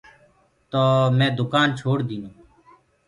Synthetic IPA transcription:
t̪oːmɛ̃ːd̪ʊkaːnt͡ʃʰoːɽd̪iːnõː

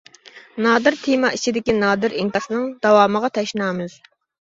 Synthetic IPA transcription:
nɑːd̪ɨɾt̪ʰimɑʔit͡ʃʰid̪ɪkʲinɑːd̪ɨɾiŋk̪ɑsɨnɨŋd̪̥ɑwɑːməʁɑt̪ʰɑʃnɑːmɨz̥

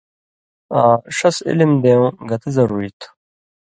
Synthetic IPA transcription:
aːʂɐsḭlimd̪ẽɡɐt̪ezɐɾuːɾit̪ʰ

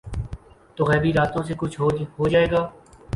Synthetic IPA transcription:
t̪oːɣɛːbiːɾaːt̪õːsekʊt͡ʃʰɦoɦoːd͡ʒaːeːɡaː

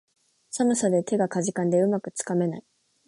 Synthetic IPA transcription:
samɯ̟sad̪e̞t̪ʰe̞ɡakaʑikãnd̪e̞ɯ̟makɯ̟t͡sɨ̥kame̞nai

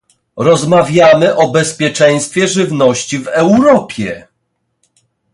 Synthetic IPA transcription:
ɾɔzmavʲjamɘʔɔbɛspʲjɛt͡ʂɛ̃j̃st̪fʲjɛʐɘvnɔɕt͡ɕivɛwɾɔpʲjɛ

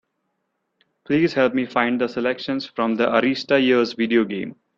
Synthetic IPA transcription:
pliːzhɛlpmiːfãɪ̃ɳɖd̪əselɛkʃə̃nsfɾɔ̃md̪əʔəɾiːsʈajiəɾzʋiɖioːɡḛ̃ːm

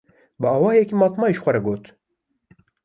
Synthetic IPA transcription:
bəɑːwɑːjɛkiːmɑːt̪mɑːjiʃxʷɛɾɛɡoːt̪

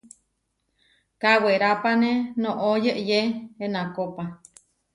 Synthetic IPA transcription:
kaweɾapanenõʔojəʔjeenãkopa

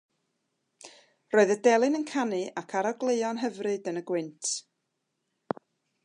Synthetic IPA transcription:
roːɨðədɛlˠɨnənkʰanɨʔakʰaɾɔɡlˠeɨɔnɦəvrɨdənəɡwɪntʰ

